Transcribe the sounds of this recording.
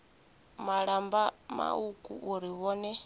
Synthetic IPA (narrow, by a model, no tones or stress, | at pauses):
maɺambama̰ukʼṵʔuɾiβɔːnɛ